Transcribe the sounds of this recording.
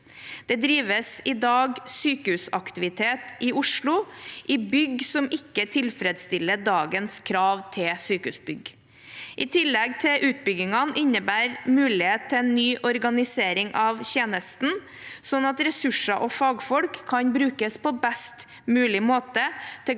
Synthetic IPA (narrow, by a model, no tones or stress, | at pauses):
d̪̥ɛd̪ɾiːʋəsɪd̪ɑːɡsyːkəʉsɑkt̪ɪʋɪt̪ʰeːt̪ʔɪʔʊʂlʊʔɪbʏɡsɔmɪkːət̪ʰɪlfɾɛd̪st̪ɪlːəɖɑːɡənskʰɾɑːʋt̪ʰɪlsyːkəʉsbʏɡ | ʔɪt̪ʰɪlːɛɡt̪ʰɪlʔʉːt̪̚bʏɡɪŋɑnʔɪnːəbæːɾmʉːlɪheːtt̪ʰːɛɛːnːyːʔɔɾɡɑnɪseːɾɪŋʔɑʋçeːnəst̪n | sɔnɑt̪ɾɛsʉʂɑʔɔfɑːɡfɔlkʰːɑɲbɾʉːkəspɔbɛst̪ | mʉːlɪmoːt̪ət̪ʰɪ